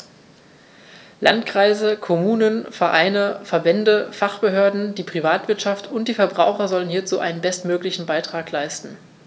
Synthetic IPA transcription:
lʔa̰ntkʁ̥aɪzəkʰomuːnənfɛɐʔaɪnəfɛɐbɛndəfaχb̥əɦøːɐdn̩d̥iːpʁ̥ivaːtv̥ɪɐtʃaftʰʊntd̥iːfɛɐbʁaʊxɐzɔlənhiːɐt͡suːʔa̰ɪnənbɛstmøːklɪçn̩baɪtʁ̥aːklaɪstn̩

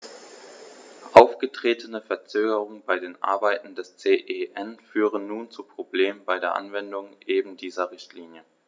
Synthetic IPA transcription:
ʔaʊfɡ̥ətʁ̥eːtʰənəfɛɐt͡søːɡəʁʊŋənbaɪdeːnʔa̰ɐbaɪtn̩dɛst͡seːʔeʔɛnfyːʁ̞ənːuːnt͡suːpʁ̥obleːmənbaɪɾeːɐʔa̰nvɛndʊŋʔeːbn̩diːzɐʁɪçtʰliːnjə

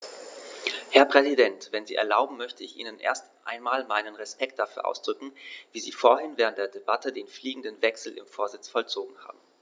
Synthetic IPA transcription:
hɛɐpʁ̥ɛzidɛntv̥ɛnziːʔɛ̰ɐlaʊbm̩mœçtəɪçʔḭːnənʔḛːɐstʔa̰ɪnmaːlmaɪnənʁɛspɛkt̚d̥afyːɐʔa̰ʊsd̥ʁʏkŋ̩viːziːfoːɐhɪnvɛːʁəntd̥eːɐdebatədeːnfliːɡŋ̩dənvɛksl̩ʔɪ̰mfoːɐzɪt͡sfɔlt͡soːɡŋ̩ha̰ːbm̩

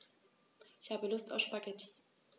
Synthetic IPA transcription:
ʔɪçhaːbəlʊsta̰ʊʃpaɡɛtʰi̥

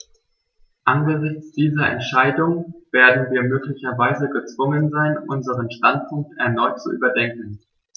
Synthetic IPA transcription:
ʔanɡəzɪçt͡sd̥iːzɐʔɛ̰ntʃaɪdʊŋveːɐdn̩viːɐmøːklɪçɐvaɪzəɡət͡sv̥ʊŋənzaɪnʔʊnzəʁənʃtant̚pʰʊŋk̚tɛɐnɔʏtt͡sṵʔy̰ːbɐdɛŋkŋ̩

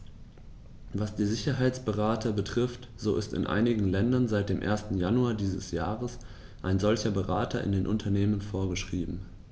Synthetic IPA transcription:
vasd̥iːɐzɪçɐɦaɪt͡sb̥əʁaːtʰɐbətʁ̥ɪft | z̥oːɪ̰stɪ̰nʔa̰ɪnɪɡŋ̩lɛndɐnzaɪt̚d̥eːmʔḛːɐstn̩januaːdiːzəsjaːʁəs | ʔaɪnzɔlçɐbəʁaːtʰɐ̰ʔɪ̰ndeːnʔʊ̰ntʰɐneːmənfoːɐɡəʃʁ̥iːbm̩

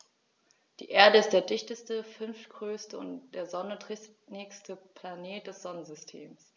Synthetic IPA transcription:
d̥ḭːʔeːɐdəɪst̚d̥eːɐdɪçtəstəfʏnftɡ̥ʁøːstəʊ̰ntd̥eːɐzɔnədʁ̥ɪnɛkstəpʰl̥aneːt̚d̥ɛsz̥ɔnənzʏstʰḛːms

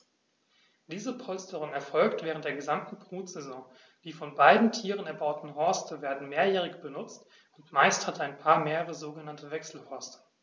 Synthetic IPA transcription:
d̥iːzəpʰɔlstəʁ̞ʊŋɛɐfɔlktv̥ɛːʁəntd̥eːɐɡəzamtn̩bʁ̥uːtz̥ɛzɔ̃ː | d̥iːfɔnbaɪdn̩tʰiːʁənɛɐbaʊtn̩ɦɔɐstəveːɐdn̩meːɐjɛːʁɪçb̥ənʊt͡st | ʊntmaɪsthataɪnpʰaːɐmeːʁəʁ̞əzoːɡənantəvɛksl̩hɔɐstʰə̥

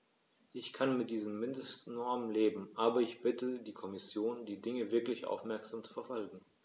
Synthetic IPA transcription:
ʔɪçkʰanmɪt̚d̥iːzəmːɪndəstnɔɐmənleːbm̩ʔaːbɐɪçb̥ɪtədiːkʰɔmɪsjoːndiːdɪŋəvɪɐklɪçʔa̰ʊfmɛɐkz̥aːmt͡su̥fɛɐfɔlɡŋ̩

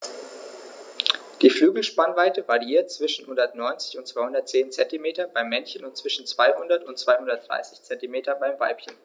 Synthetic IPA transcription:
d̥iːflyːɡl̩ʃpanvaɪtəvaʁiiːɐt̚t͡sv̥ɪʃn̩hʊndɐtnɔʏnt͡sɪ̥çʊntt͡sv̥aɪhʊndɐt̚t͡seːnt͡sɛntimeːtɐbaɪmːɛnçənʊntt͡sv̥ɪʃn̩t͡sv̥aɪhʊndɐtʊntt͡sv̥aɪhʊndɐtd̥ʁa̰ɪsɪçt͡sɛntimeːtɐbaɪmva̰ɪpçən

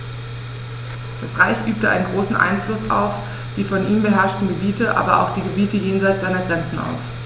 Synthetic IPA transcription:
d̥asʁaɪçʔyːp̚təʔaɪnənɡʁoːsn̩ʔa̰ɪnflʊsa̰ʊf | d̥iːfɔnʔiːmbəɦɛɐʃtn̩ɡəbiːtəʔa̰ːbɐʔa̰ʊxd̥iːɡəbiːtəjeːnzaɪtz̥aɪnɐɡʁɛnt͡sn̩a̰ʊs

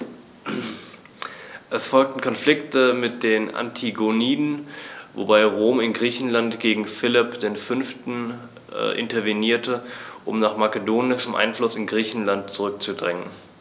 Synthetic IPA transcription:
ʔɛsfɔlk̚tn̩kʰɔnflɪktəmɪt̚d̥eːnʔa̰ntʰiɡoniːdn̩vo̰baɪʁoːmɪnɡʁiːçn̩lantɡ̥eːɡŋ̩fɪlɪpd̥eːnfʏnftn̩ | ʔɪ̰ntɐveniːɐtəʔʊmnaːχmakədoːnɪʃmʔa̰ɪnflʊsɪnɡʁiːçn̩lant̚t͡suʁʏk̚t͡sudʁɛŋən

